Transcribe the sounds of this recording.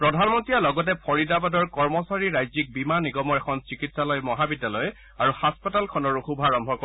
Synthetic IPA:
pɹɔdʱanmɔntɹijalɔɡɔt̬ɛpʰɔɹidabadɔɹkɔɹmɔsaɹiɹajzik̚bimaniɡɔmɔɹɛkʰɔnsikitsalɔjmɔɦabidːalɔj | aɹuhaspɔtalkʰɔnɔɹuxubʱaɹɔmbʱɔkɔ

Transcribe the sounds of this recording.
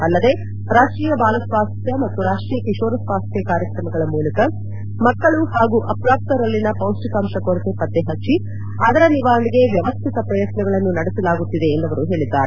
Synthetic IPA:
ɐlːɐd̪e̞ | ɾaːʂʈɾiːjɐbaːlɐsʋaːst̪jɐmɐt̪ːuɾaːʂʈɾijɐkiʂoːɾɐsʋaːst̪jɐkaːɾjɐkɾɐmɐɡɐɭɐmuːlɐkɐ | mɐkːɐɭuhaːɡuʔɐpɾaːp̚t̪ɐɾɐlːinɐpɐwsʈikaːmʂɐkoɾit̪epɐd̪ːeɦɐt͡ʃːi | ɐd̪ɐɾɐniʋaːɾɐɳiɡe̞ʋjɐʋɐst̪ʰit̪ɐpɾɐjɐt̪nɐɡɐɭɐnːunɐɽesɐlaːɡut̪ːid̪e̞ːnd̪ɐʋɐɾuɦe̞ːɭid̪ːaːɾe

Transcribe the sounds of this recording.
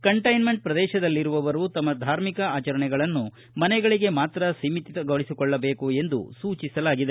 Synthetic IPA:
kɐɳʈɐjnme̞ɳʈ̚pɾɐd̪ɛːʃɐd̪ɐlːiɾuʋɐʋɐɾut̪ɐmːɐd̪ʱaːɾmikɐaːt͡ʃɐɾɐɳɛɡɐɭɐnːu | mɐnɛɡɐɭiɡe̞maːt̪ɾɐsimit̪it̪ɐɡɐɭisikɔɭːɐbeːkue̞nd̪ṵsuːt͡ʃisɐlaːɡid̪e

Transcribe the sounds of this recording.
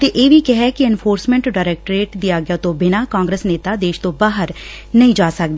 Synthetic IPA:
t̪eːʔeːʋiːkɛɦɛːkɪɛnpʰoːɾsmɛ̃ɳʈɖaːɾɛːk̚ʈɾeːʈd̪iːaːɡɪjaːt̪õːbɪnaːkãːŋɡɾəsneːt̪aːd̪eːʃt̪õːbaːɦəɾ | nəɦĩːd͡ʒaːsək̚d̪ː

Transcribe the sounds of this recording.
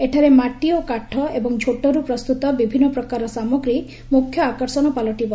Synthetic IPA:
eʈʰaɾemaʈiɔkaʈʰɔebɔŋd͡ʒʱoʈɔɾupɾɔst̪ut̪ɔbibʱinːɔpɾɔkaɾɔsamɔɡɾi | mukʰːjɔakɔɾsɔnɔpalɔʈibɔ

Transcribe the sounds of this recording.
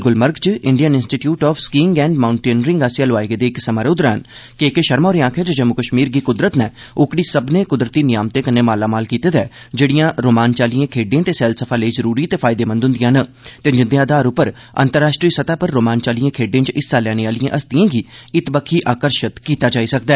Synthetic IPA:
ɡʊlməɾɡt͡ʃɪɳɖijənɪ̃nsʈiːʈjuːʈɔːfʰskiːŋɡɛ̃ːɳɖmaːʊɳʈeːnəɾɪ̃ŋɡasaloʋaːeɡed̪eːɪksəmaːɾeːʊd̪ɾaːənkɪkeʃəɾmaɔːɾẽãːkʰeːd͡ʒəd͡ʒəmːʊkəʃmiːɾɡiːkʊd̪ɾət̪nɛː | ʊkɽiːsəbneːkʊd̪ɾət̪iːnɪjaːmt̪eːkəneːmaːlaːmaːlkiːt̪eːd̪ɛː | d͡ʒeːɽijãːɾoːmaːnt͡ʃaːlijãːkʰeːɖẽːt̪eːsɛːlsəpʰaːleiːzəɾuːɾiːt̪eːpʰaːɪd̪eːmə̃nd̪ɦʊ̃nd̪ɪjãːnət̪eːd͡ʒɪ̃nd̪jaːd̪aːɾʊpəɾ | ə̰nt̪əɾːaːʃʈɾiːsət̪aːpəɾːoːmaːnt͡ʃaːlijãːkʰeːɖẽːt͡ʃɪsːaːlɛːɽ̃eːaːlɪjã̰ʔəst̪ɪjãːɡiːɪt̪bəkʰːiːʔaːkəɾʃət̪kiːt̪aːd͡ʒaːiːsək̚d̪ɛː

